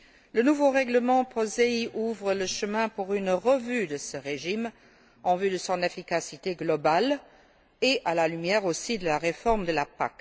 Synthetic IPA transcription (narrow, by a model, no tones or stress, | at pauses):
lənuvoʁɛɡləmɑ̃pχɔzeiʔuvʁələʃəmɛ̃puʁynʁəvyd̪əsəʁeʒim | ɑ̃vyd̪əsɔ̃nefikasit̪eɡlɔbal | eʔalalymjɛːʁosid̪əlaʁefɔʁmd̪əlapa̰k